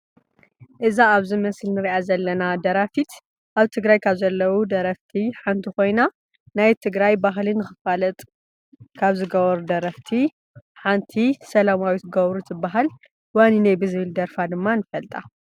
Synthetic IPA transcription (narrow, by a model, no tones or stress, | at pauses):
ʔɨzaːβzɨmɐslnɨɾiʔazɐlːɐnad̪ɐɾafit̪ | ʔaβt̪ʰɨɡɾajkʰaβzɐlːɐwud̪ɐɾɐft̪ʰiħant̪ʰixo̞jna | najt̪ʰɨɡɾajbaɦlɨnɨxɨfalɐt̪ʼ | kʰaβzɨɡɐβɐɾud̪ɐɾɐft̪ʰi | ħant̪ʰisɐlamawit̪ɡɐβɾut̪ɨbːaɦal | waninajbɨzβɨld̪ɐɾfad̪ɨmːanɨfɐlt̪ʼa